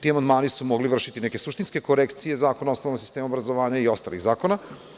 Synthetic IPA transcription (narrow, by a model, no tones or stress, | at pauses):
t̪iamand̪maːnisumoɡliʋr̩ʃit̪ineke̞suʃt̪inske̞ko̞ɾekt̪sije̞zaːkonaosnonoɡsist̪eːmaobɾazoʋaːɲaio̞st̪a̰lḭɣzaːkona